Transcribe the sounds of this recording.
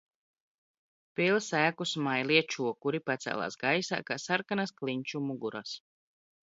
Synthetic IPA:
pilˠsæːkusmajlˠiɛt͡ʃuɔkuɾipat̪sæ̰ːlˠa̰ːsɡajsa̰ːkaːsaɾkanasklˠiɲʲt͡ʃumuɡuɾa̰s

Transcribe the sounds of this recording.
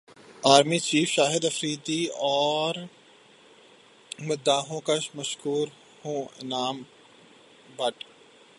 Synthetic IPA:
aːɾmit͡ʃiːfʃaːɦɪd̪ɐfɾiːd̪iɔːɾ | mʊd̪aːɦõːkɐʃmɐʃkuːɾ | hũnaːm | bɐʈ

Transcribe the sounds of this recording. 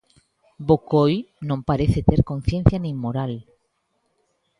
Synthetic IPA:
bokojnõmpaɾeθet̪eɾkon̟θjen̟θjanĩŋmoɾal

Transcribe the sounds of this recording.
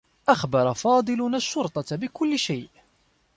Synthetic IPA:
ʔaxbɑɾˤɑfɑːd̪ˤɨlʊnaʃːʊɾt̪ˤɑbɪkʊlːɪʃajʔ

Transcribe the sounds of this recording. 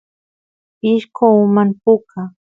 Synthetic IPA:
pɪʃkoʊmanpʊkʰa

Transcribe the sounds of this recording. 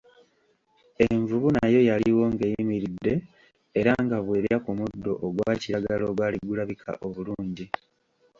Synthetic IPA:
e̞ɱvuβunajo̞jaliwo̞ŋɡejimiɾidːe̞ː | ɾaŋɡaβweːɾeakumudːo̞̰ʔːɡwaːciɾaɡalo̞ɡwaːliɡulaβikʰa̰ʔoβuluːɲɟi

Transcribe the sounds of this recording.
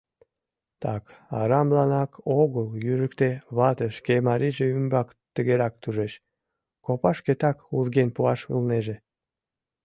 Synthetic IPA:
t̪ɑkɑɾɑmblɑnɑkoɣəljyʒəkt̪eβɑt̪əʃkemɑɾiʒeymbɑk | t̪əɣeɾɑk̚t̪uʒeʃ | kopɑʃket̪ɑkurɣenpuɑʃɯ̰lneʒe

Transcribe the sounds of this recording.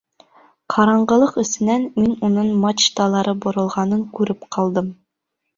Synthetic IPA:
qʰɑɾɑɴɢɤ̆lˠɤqɵ̆sɘ̆nænminunɤɴmat͡ʃt̪ɑlˠɑɾɤbŏɾɤ̆lˠʁɑnɤŋkʉɾɘpqʰɑlˠd̪ɤm

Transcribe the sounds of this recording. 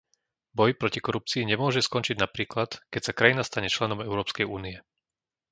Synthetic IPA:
bɔjpɾɔcikɔɾup̚t͡siːiɲɛmʊɔʒɛskɔnt͡ʃiɟnapɾiːklat̪kɛcsakɾajinast̪aɲɛt͡ʃlɛnɔmɛʊɾɔːpskɛjuːniɛ

